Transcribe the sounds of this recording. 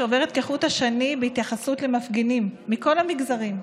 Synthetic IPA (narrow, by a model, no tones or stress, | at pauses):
ove̞ʁet̪keχuthaʃanibeit̪jaχasutlemafɡenimːiko̞lhamiɡzaʁim